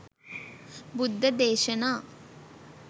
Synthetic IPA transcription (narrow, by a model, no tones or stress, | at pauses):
bud̪ʱːɐd̪eːʃɐnaː